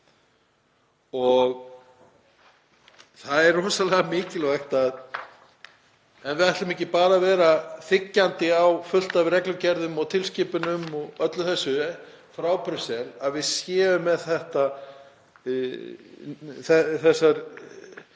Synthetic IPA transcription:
ɔɣ | θaðɛrːɔːsalɛːɣamɪːcɪlvajxt̪að | ɛnvɪaht̪lʏmɛhcɪpaːɾavɛːɾaθɪcːant̪ɪawfʏl̥t̪avɾɛklʏcɛɾðʏmɔɣt̪ʰɪlscɪːpʏnʏmɔɣœt̪lʏθɛsːʏ | fɾaːwpʰɾʏsɛlaðvɪðsjɛːvʏmːɛðθɛht̪a | θɛθɛsːaɾ

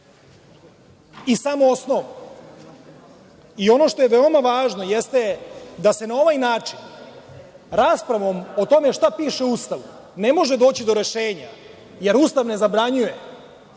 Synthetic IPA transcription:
isamoosnoʋo | io̞no̞ʃt̪o̞jeʋeo̞maʋaːʒno̞jest̪ed̪ase̞nao̞ʋajnaːt͡ʂin | ɾaːspɾaʋo̞mot̪o̞me̞ʃt̪apiːʃeust̪aʋu | ne̞mo̞ʒe̞d̪o̞ːt͡ɕid̪o̞ɾe̞ʃeːɲa̰ | je̞ɾust̪aʋne̞zabɾaɲuje

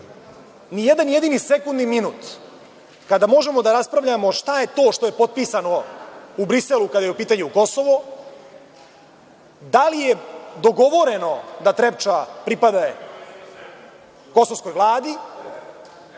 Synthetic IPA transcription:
nijed̪anje̞d̪iːnisekund̪niminuːt̪ | kad̪amo̞ʒe̞mo̞d̪aɾaspɾavʎamo̞ʂt̪aje̞t̪o̞ːʃt̪o̞je̞po̞t̪̚piːsano̞ubɾise̞lˠukad̪ajeupiːt̪aɲuuko̞so̞ʋo | d̪alije̞d̪o̞ɡo̞ʋo̞ɾe̞no̞d̪at̪ɾept͡ʃapɾipad̪a | ko̞soʋsko̞jʋlˠaːd̪i

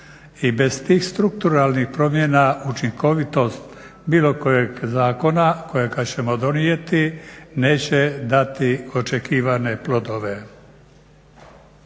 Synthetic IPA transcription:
ibe̞z̥t̪iːxst̪ɾuk̚t̪uɾalnixpɾo̞mjenaut͡ʃiŋko̞ʋit̪o̞st̪ | biːlo̞ko̞jeɡzaːko̞nako̞jeɡat͡ɕe̞mo̞d̪o̞nije̞t̪ine̞ːt͡ɕed̪at̪io̞t͡ʃekiːʋane̞plo̞d̪o̞ʋe̞

